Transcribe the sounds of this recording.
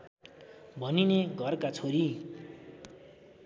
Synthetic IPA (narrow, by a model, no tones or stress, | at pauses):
bʱʌnineɡʱʌrkat͡sʰoɾi